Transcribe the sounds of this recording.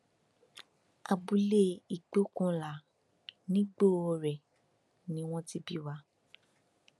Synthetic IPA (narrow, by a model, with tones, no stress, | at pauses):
a˧bu˧le˦i˨k͡po˨˦kũ˦˧la˨ | nĩ˦ɡ͡bo˦ɔ˧ɾɛ˨ | nĩ˦w̃ɔ̃˦ti˦bi˦wa˧